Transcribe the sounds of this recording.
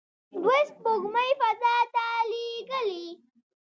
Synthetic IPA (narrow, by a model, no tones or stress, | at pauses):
ɖwɪsk̚boɡməjfazɑt̪aleɡəli